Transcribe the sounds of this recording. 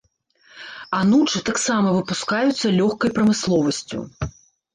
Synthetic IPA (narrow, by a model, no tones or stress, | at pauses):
anut͡ʂɨt̪aksamɐvɨpuskajut̪sːɐlʲɔxkɐjpɾɐmɨslˠɔvɐsʲt͡sʲṵ